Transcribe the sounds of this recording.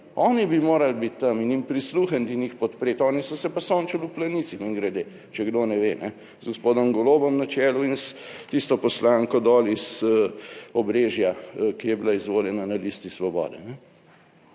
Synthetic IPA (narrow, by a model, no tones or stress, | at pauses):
ɔːnibimoːɾalbit̪ːaminimpɾisluxɐnt̪inixpɔt̪pɾeːt̪ɔːnisɔsɛpasoːnt͡ʃaluplanisixiŋɡɾɛd̪eː | t͡ʃɛɡd̪onɛʋenɛ | zɡospoːd̪ɔmɡɔloːbɔmnat͡ʃɛːluinst̪ist̪ɔpɔslaːŋkɔd̪ɔːlisəɔbɾeːʒjakijɛbilaizʋoːljɛnanalist̪isʋɔbɔ̰ːd̪ɛ̰nɛ